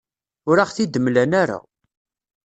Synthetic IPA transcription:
ʊɾaχθid̪əmlænaɾa̰

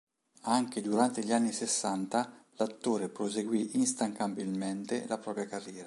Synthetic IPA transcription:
aŋked̪uɾant̪eʎianːisesːant̪alat̪ːoːɾepɾozeɡwiʔinst̪aŋkabilment̪elapɾɔːpɾjakarːjɛːɾa

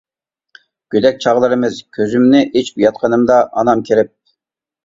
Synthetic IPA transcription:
ɡ̥ʲød̪ɛk̚ʲt͡ʃʰɑʁlˠɨɾɨmɨzkʲʰøzymnɪʔet͡ʃbjɑt̪̚qʰɑnɨmd̪ɑʔɑnɑmkʲʰeɾɪp̚

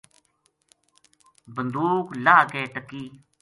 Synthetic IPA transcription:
bənd̪uːklaːkeːʈəkːiː

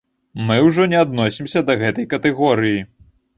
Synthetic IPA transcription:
mɨwʐɔnʲɛad̪nɔsʲimsʲɐd̪ɐɣɛt̪ɐjkɐt̪ɛɣɔɾɨji

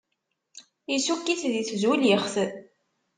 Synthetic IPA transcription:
jisukːiθðiθzwiljəχθəð

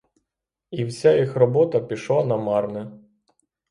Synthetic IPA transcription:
iwsʲajixrɔbɔt̪ɐpʲiʃlˠanɐmɑrnɪ

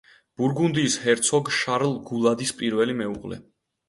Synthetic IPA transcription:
b̥uɾɡund̪iːshɛɾt̪sʰɔɡʃaɾlˠɡulˠad̪ispʼiɾvɛlimɛuʁlɛ̰

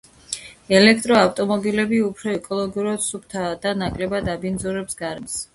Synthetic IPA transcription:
ɛlɛkʰt̪ʼɾɔaft̪ʼɔmɔbilɛbiupʰɾɔɛkʼɔlˠɔɡiuɾad̪̥sup̚ʰt̪ʰad̪anakʼlɛbad̪abind̪zɔɾɛpsɡaɾɛms

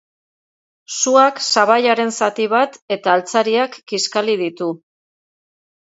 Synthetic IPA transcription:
suaksaβaʎaɾe̞nsat̪iβat̪e̞t̪aːlt͡saɾiakːiskalið̞it̪u

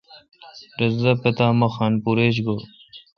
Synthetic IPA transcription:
ɾɐzɐpet̪aːmɐxaːnpuɾeɕ̬ɡo

